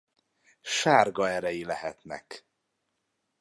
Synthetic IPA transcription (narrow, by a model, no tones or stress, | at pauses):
ʃaːrɡɒɛɾɛjilɛɦɛt̪nɛ̰k